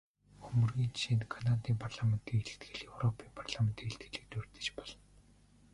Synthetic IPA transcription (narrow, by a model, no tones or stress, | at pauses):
ɵmɵ̆rɣiːnt͡ɕʃiːnt̪kʰanat̪iːmpʰarɮamen̥t̪ʰiːŋeɮɘ̆kt̪ɡɘ̆ɮewrɔpʰiːmpʰarɮamen̥t̪ʰiːŋeɬt̪ɡɘ̆ɮɘ̆k̚t̪ɵrt̪ɘ̥̆t͡ɕpɔɮ̥ɞ̆n